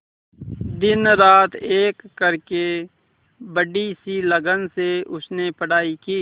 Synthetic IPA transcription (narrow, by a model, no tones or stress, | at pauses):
d̪ɪnɾaːt̪ʰeːkːəɾke | bəɖisiləɡənseʊsnepəɽ̤aːikiː